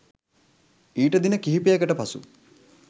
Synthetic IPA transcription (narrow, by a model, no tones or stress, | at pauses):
iːʈəd̪inəkiɦipijɐɡəʈəpasṵ